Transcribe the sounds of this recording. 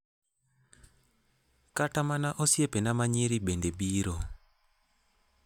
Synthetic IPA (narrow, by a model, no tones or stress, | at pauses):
katamanaʔosiepenamaɲiɾiɓendeɓiːɾo